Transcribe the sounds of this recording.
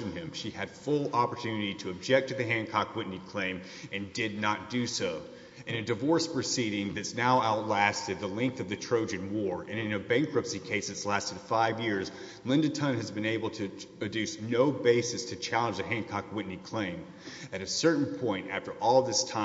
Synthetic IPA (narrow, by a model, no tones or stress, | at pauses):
ɨ̃nɪ̃mʃiɨd̥fʊlˠɑpə˞tʰʉnɨɾiɾɨɨb̚d͡ʒɛk̚tʰɨðɨɦæ̃nkʰɑkwɪʔⁿnikʰl̥ẽɪ̃m | ɨ̃ndɪdⁿnət̚d̥ɨsoʊ | ɨ̃nɨdɨvɔɹspʰɹ̥ɨsiɾɪ̃ŋðɨtsnaʊʔaʊtˡlæstɨd̪̚ðəlɪ̃ŋk̚θʌvðɨtʰɹ̥oʊd͡ʒɨ̃nwɔɹɨ̃ñɨ̃nɨbæ̃ŋkɹɨpsikʰeɪsɨtslæstɨd̥faɪvjɪɹz | lɪ̃ndɨtʰʌ̃nɨzbɨ̃neɪbl̩ˠtʰɨɨdʉsnoʊbeɪsɨstʰɨt͡ʃʰælˠə̃nd͡ʒðɨɦæ̃nkʰɑkwɪʔⁿnikʰl̥ẽɪ̃m | ɨɾɨsɜ˞ʔn̩pʰɔ̃ɪ̃ntæ̰ftə˞ʔɔlˠðɪstʰã